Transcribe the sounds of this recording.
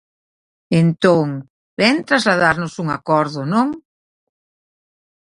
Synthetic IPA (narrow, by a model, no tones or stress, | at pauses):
ent̪oŋ | bɛnt̪ɾazlaðaɾnosuŋa̰kɔɾðʊnõŋ